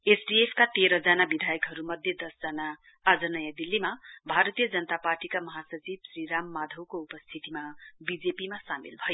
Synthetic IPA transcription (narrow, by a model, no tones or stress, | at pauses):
esɖiepʰkat̪eɾʌd͡zanabid̪ʱajʌkɦʌɾumʌd̪ʱjʌd̪ʌsd͡zʌnaː | d͡zʌnʌjʌd̪ilːimabʱaɾʌt̪ijʌd͡zʌnət̪aparʈikamʌɦasʌt͡sib̚sriɾamːad̪ʱʌwkoupʌst̪ʰit̪imabid͡zepimasamḭlbʱʌjo